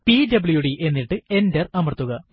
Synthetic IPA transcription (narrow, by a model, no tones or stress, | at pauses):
pidɐbɭjuɽiʔe̞nːiʈːɨe̞ndɐrɐmɐrt̪ːuɣɐ